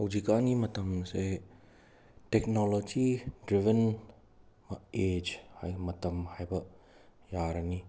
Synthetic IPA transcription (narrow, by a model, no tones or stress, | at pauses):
ɐwd͡ʒikanimɐt̪ɐmse | tɛk̚nɔlod͡ʒidɾivən | maed͡ʒhajmɐt̪ɐmhajbɐ | jaɾani